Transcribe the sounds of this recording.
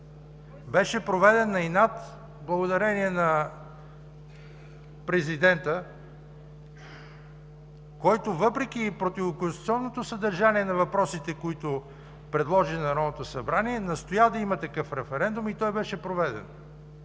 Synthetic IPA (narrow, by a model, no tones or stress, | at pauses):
bɛʃɛpɾovɛd̪ɛnːɐinat̪ | blˠɐɡod̪ɐɾɛniɛnɐ | pɾɛzid̪ɛnt̪ə | kɔjt̪ovɤpɾɛk̟ipɾot̪ivokʊnst̪u̥t̪siɔnːot̪osəd̪ɐɾʒaniɛnɐvɐpɾɔsit̪ɛkoit̪ʊ | pɾɛd̪lˠɔʒinɐɾɔnot̪osɐbɾaniɛnɐst̪ojad̪ɐimət̪ɐkɤfɾɛfɛɾɛnd̪umit̪ɔjbɛʃɛpɾovɛd̪ɛ̰n